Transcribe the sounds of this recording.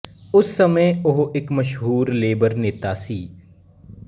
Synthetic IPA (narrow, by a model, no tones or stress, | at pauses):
ʊsːəmə̃ʊɦʔɪkməʃɦuːɾleːbəɾneːt̪aːsiː